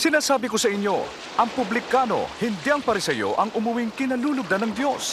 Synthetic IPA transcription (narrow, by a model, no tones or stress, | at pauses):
sɪnaːsaːbɪkosɐʔɪɲjo̞̰ | ʔɐŋpʊblɪkaːno̞̰hɪnd̪iʔɐŋpɐɾɪsɛjo̰ʔɐŋʔʊmʊwiŋkɪnɐluːlʊɡ̚d̪ɐnɐŋd̪jo̞s